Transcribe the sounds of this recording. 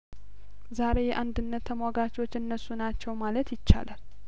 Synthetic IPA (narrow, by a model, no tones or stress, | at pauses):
zaɾe̞jɛʔand̪ɨnːət̪ʰːəmwaɡat͡ʃo̞t͡ʃːɨnːəsːunat͡ʃːɛwmalət̪jɪt͡ʃːa̰lal